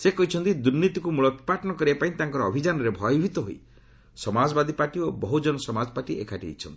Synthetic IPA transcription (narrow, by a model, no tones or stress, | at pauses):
sekɔɦit͡ʃʰɔnt̪id̪uɾnit̪ikumuɭɔt̪paʈɔnɔkɔɾiepaĩt̪aŋkɔɾɔːbʱid͡ʒanɔɾebʱɔjɔbʱit̪ɔɦoi | sɔmad͡ʒɔbad̪ʱipaʈiobɔɦud͡ʒɔnɔsɔmad͡ʒɔpaʈiekʰaʈiḛjt͡ʃʰɔ̰nt̪i